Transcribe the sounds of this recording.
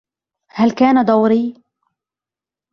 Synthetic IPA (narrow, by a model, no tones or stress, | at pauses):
halkaːnad̪ˤawɾiː